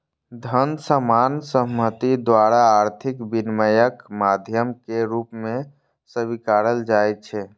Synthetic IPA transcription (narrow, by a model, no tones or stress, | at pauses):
d̪ʱənsəmansəɦmːət̪id̪waɾaːɾt̪ʰikbinməjəkmad̪ʱjəmkeɾupmẽ | səbikaɾəld͡ʒajtt͡ʃʰɛ